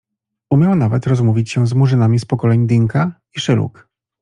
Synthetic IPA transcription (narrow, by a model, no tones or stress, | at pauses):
umʲjawnavɛt̪ɾɔzmuvʲit͡ɕɕɛzmuʐɘnamʲispɔkɔlɛɲd̪iŋka | iʂɘlṵk